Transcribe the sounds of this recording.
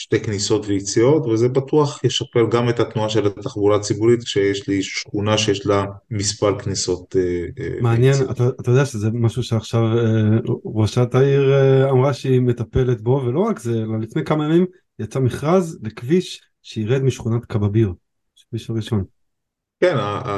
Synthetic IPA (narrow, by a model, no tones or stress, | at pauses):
ʃtejkniso̞tveit͡sio̞tvezebat̪uaχjeʃapelɡamet̪at̪nuaʃe̞lat̪aχbulat͡sibuʁit̪kʃejeʃliʃʃχunaʃejeʃlamispalkniso̞t̪ḛmeanjena̰t̪aat̪ajo̞dejaʃezemaʃuʃeaχʃaveʁoʃat̪aiʁamʁaʃeime̞t̪ape̞let̪bo̞velo̞ʁakzelalifne̞jkamajamim | jat͡samiχʁazlekviʃ | ʃeiʁed̪miʃχunat̪kababiʁ | ʃkviʃaʁiʃo̞n | kena